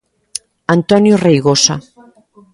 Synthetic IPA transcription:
ant̪ɔnjorejɣosa̰

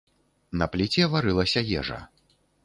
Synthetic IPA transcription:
nɐplʲit͡sʲɛvaɾɨlˠɐsʲɐjɛ̰ʐɐ̰

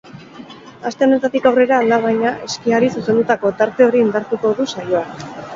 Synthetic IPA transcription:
ast̪e̞o̞ne̞t̪at̪ikawre̞ɾaːlaβ̞ajɲaʔe̞skiaɾisuse̞nd̪ut̪ako̞t̪aɾt̪e̞o̞ɾiːnd̪aɾt̪uko̞ðusajo̞a

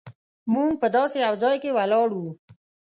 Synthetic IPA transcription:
muŋɡ̚pəd̪ɑseawzɑjkewalɑɽu

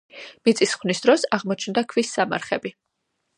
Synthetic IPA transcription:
mit̪sʼisχwvnisd̪ɾɔsaʁmɔt͡ʃʰnd̪akʰvisːama̰ɾχɛbi

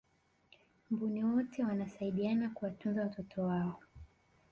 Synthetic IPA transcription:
mbuniwɔtʰɛwanasaiɗianakuwatunzawatɔtʰɔwaɔ

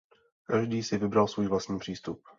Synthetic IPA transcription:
kaʒdiːsɪvɪbɾalsvuːjvlast̪ɲiːpr̝̥iːst̪up̚

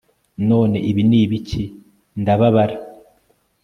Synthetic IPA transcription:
no̞ːne̞ʔiβiniːβici | ndaβaβaɾa

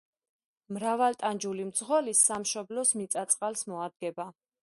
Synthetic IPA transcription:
mɾavalt̪ʼand͡ʒulimd̪zʁɔlisːamʃɔblɔsmit̪sʼat̪sʼqʼalsmɔad̪̚ɡɛba

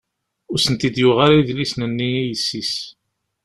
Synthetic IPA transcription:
ʊɾsənt̪id̪jʊʁaɾiðlisnənːiijəsːis

